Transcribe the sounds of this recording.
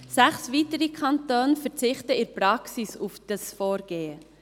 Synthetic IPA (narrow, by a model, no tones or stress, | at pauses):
sæχsviːtəɾikʰɑntoːnəfɛɾt͡sɪχtəɪɾprɑksisufd̥ɑsfoːɾɡ̥eːə